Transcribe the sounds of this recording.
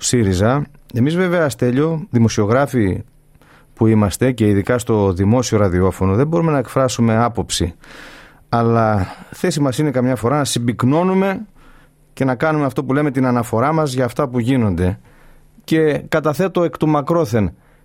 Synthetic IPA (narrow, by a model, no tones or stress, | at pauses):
siɾizɐe̞mizve̞ve̞ɐst̪e̞ʎo̞ðimo̞sio̞ɣɾɐfi | puimɐst̪e̞ce̞iðikɐst̪o̞ðimo̞sio̞ɾɐðio̞fo̞no̞ðe̞bo̞ɾume̞nɐekfɾɐsume̞ɐpo̞psi | ɐlɐθe̞simɐsine̞kɐmɲɐfo̞ɾɐnɐsibikno̞nume̞ | ce̞nɐkɐnume̞ɐft̪o̞pule̞me̞t̪inɐnɐfo̞ɾɐmɐzʝɐːft̪ɐpuʝino̞nd̪e̞ | ce̞kɐt̪ɐθet̪o̞e̞kt̪umɐkɾo̞θe̞n